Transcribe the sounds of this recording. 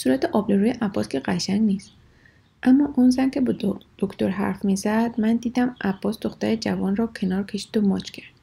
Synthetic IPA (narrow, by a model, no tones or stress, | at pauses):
suːɾæt̪ʰeʔɒːbleɾuːjeʔæbːɒskʰe̞ɢæʃæŋɡniːst̪ | ʔæmːɒːʔunzæncʰe̞bɒd̪̥okʰt̪oɾɦæ̰ɾfmiːzæd̪̥mænd̪iːd̪æmʔæb̥ːɒːsd̪oxt̪æɾed͡ʒævɒːnrɒːcʰe̞nɒːɾkʰe̞ʃi̥ːd̪̥omɒːt͡ʃʰcʲʰæɾd̪̥